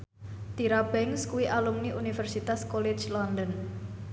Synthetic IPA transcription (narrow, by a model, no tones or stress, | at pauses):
t̪iɾabɛŋskuwiʔalumniʔunifɛrsit̪askole̥t͡ʃlɔnd̪ɔn